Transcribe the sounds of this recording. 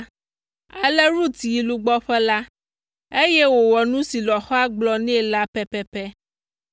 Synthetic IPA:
a˨lɛ˦ɾu˦t̪i˨ji˨lu˦ɡ͡bɔ˦ɸɛ˦la˦ | e˦jɛ˦wo˨wɔ˨nũ˦si˨lɔ˨xɔ˦a˦ɡ͡blɔ˨nɛ̃˦˨la˦pɛ˦pɛ˦pɛ˦

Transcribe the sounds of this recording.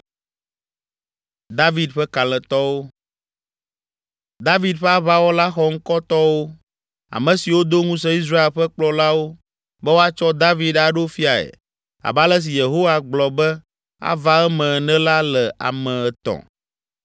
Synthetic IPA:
d̪a˦vi˦d̪ɸɛ˦ka˨l̃ɛ̃˨t̪ɔ˦wo˦ | d̪a˦vi˦d̪ɸɛ˦a˦βa˦wo˦la˦xɔ˦ŋ̩˦kɔ˦t̪ɔ˦wo˦ | a̰˨mɛ̃˨si˨wo˦d̪o˦ŋũ˦s̬ɛ̃˦i˦s̬ɾa˦e˦˨lɸɛ˦k͡plɔ˦la˦wo˦ | bɛ˦wo˦a˦t͡ʃɔ˦d̪a˦vi˦d̪a˨ɖo˦fi˦a˨ɛ̰˨ | a̰˨ba˦lɛ˦s̬i˨je˨ɦo˦wa˨ɡ͡blɔ˨bɛ˦ | a̰˦va˦ɛ˦mɛ̃˨nɛ̃˦la˦lɛ˨a̰˨mɛ̃˨ɛ˨t̪ɔ̰̃˨

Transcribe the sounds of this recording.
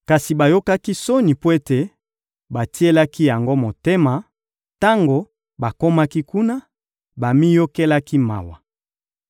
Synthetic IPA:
ka˨si˨ba˨jo˦ka˦ki˦so˦ni˨po˦e˦te˨ | ba˨ti˦e˦la˦ki˦ja˨ŋɡo˦mo˨te˦ma˨ | ta˦ŋɡo˨ | ba˨ko˦ma˦ki˦ku˦na˦ | ba˨mi˦jo˦ke˦la˦ki˦ma̰˨wa˨

